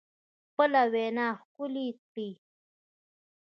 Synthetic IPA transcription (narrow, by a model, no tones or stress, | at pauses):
xpəlawenaːxkʊlit̪i